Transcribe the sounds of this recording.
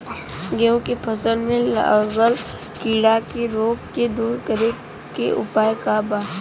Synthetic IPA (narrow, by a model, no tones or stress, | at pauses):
ɡeõkepʰəsəlmẽləɣəlkiːɽakeɾoːkked̪uːɾkəɾe | keʔʊ̰paːjkabaː